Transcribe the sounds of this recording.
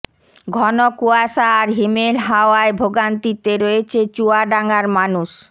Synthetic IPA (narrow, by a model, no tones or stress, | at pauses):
ɡʱɔnokuaʃaːɾɦimelɦaoaebʱoɡant̪it̪eɾoet͡ɕʰet͡ɕuaɖaŋaɾmanuʃ